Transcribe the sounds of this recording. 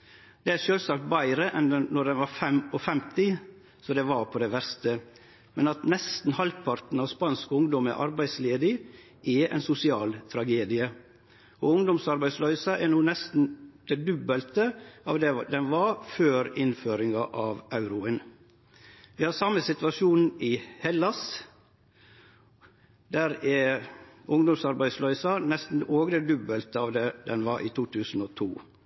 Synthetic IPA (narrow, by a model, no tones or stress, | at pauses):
d̪̥ɛæʂøːlsɑk̚t̪̚bæɪɾəʔɛnɛnɔd̪ɛnʋɑɾfɛmɔfɛmt̪ɪ | sɔd̪ɛʋɑɾpʰɔd̪ɛʋæɾst̪ə | mɛnɑt̪nɛst̪n̩hɑlpʰɑɾt̪n̩ɑʋspɑnskʊŋd̪ɔmə̰ʔɑ̰ɾbæɪsleːd̪ɪ | ɛɛ̰ɪnsʊsɪɑːlt̪ʰɾɑɡeːd̪ɪə | ɔʊŋd̪ɔmsɑɾbæɪslœʏsəʔɛɾnuːnɛst̪n̩d̪̥ɛd̪ʉbəlt̪əɑːʋd̪ɛd̪ɛnʋɑføːɾɪnføːɾɪŋɑʔɑʋɑʉɾʊən | ʋɪhɑsɑmːəsɪt̪ʋɑʂuːnɪhɛlːɑs | d̪æɾɛ | ʊŋd̪ɔmsɑɾbæɪslœʏsɑnɛst̪n̩ʔoːɡəd̪ɛd̪ʉbəlt̪əɑʋd̪ɛd̪ɛnʋɑɾʔḭːt̪ʰuːt̪ʰʉːsn̩ot̪ʰṵː